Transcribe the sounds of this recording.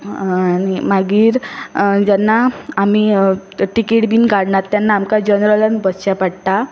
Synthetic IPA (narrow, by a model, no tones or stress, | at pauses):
animaɡiːɾd͡ʑanːaːmiːʈikeʈbiːnɡaɽɳat̪ːjanːaːmkad͡ʑənɾələnbəsɕapaɽt̪a